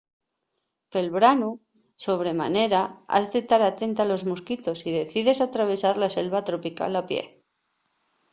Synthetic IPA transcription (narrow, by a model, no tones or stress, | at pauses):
pe̞lβɾanu | so̞β̞ɾe̞ma̰ne̞ɾaa̰zðe̞t̪aɾat̪e̞nt̪alo̞zmuskit̪o̞siðe̞θiðe̞sat̪ɾaβ̞e̞saɾlase̞lβat̪ɾo̞pika̰lapje̞̰